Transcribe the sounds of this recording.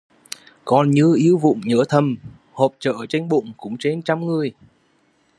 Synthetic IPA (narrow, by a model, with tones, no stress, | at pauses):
kɔ˨˩nɲɨ˧ʔi˧˦əwvʊ̰˧˨ŋ͡mɲəː˧˥t̪ʰə˨˩m | hoː˨˩p̚t͡ɕə̰ː˧˨t͡ɕe˧jŋɓʊ̰˧˨ŋ͡mkʊ̰˧˥ŋ͡mt͡ɕe˧nt͡ɕa˧˥wŋ͡mŋɨ˨˩əj